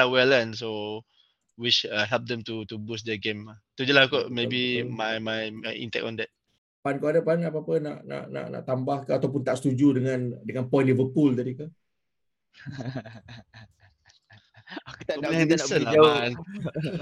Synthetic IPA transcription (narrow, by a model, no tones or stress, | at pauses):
awɛlə̃nso | wit͡ʃaɦɛlp̚dɛ̃mtutubusdɛɡẽmt̪ud͡ʒulakɔʔmebimajmajḭ̃ntɛ̰k̚tɔ̃ndɛt̚ | pankoadapanap̬aapənaʔna̰ʔna̰ʔna̰ʔt̪ambahkaat̪awp̬ʊnt̪aʔst̪ud͡ʒudəŋãndəŋãnpɔjnlivəpuldaɾikə | kit̪aɛ̃d̪ɛasənaaan